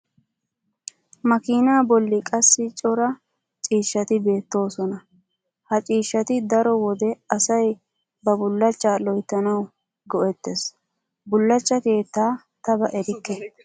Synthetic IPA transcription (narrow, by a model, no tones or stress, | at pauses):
mɐkiːnaːbɔlːɪkʼɐsːɪt͡ʃʼɔɾɐ | t͡ʃʼiːʃːɐt̪ɪbe̞ːt̪ːo̞ːsɔnɐ | hɐt͡ʃʼiːʃːɐt̪ɪd̪ɐɾɔwɔd̪ɛɐsɐj | bɐbʊlːɐt͡ʃːaːlɔjt̪ːɐnɐw | ɡɔʔɛt̪ːɛs | bʊlːɐt͡ʃːɐke̞ːt̪ːaː | t̪ɐbɐʔɛɾɪkːɛ